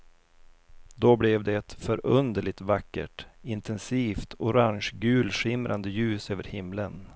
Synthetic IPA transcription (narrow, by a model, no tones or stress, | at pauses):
d̪oblɛvd̪ɛɛt̪fœɾɵnd̪əɭɪt̪vakːə̰ʈɪnt̪ʰɛnsiːft̪ʰʊɾaŋɕɡʉ̟ːlʂɪmɾʔand̪əjʉ̟ːsøːvəɾhɪmlən